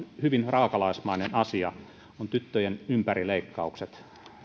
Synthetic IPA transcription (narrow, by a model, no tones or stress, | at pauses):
hyʋinrɑːkɑlɑismɑinenɑsiɑ | ont̪yt̪ːøjenympærileikːɑukset̪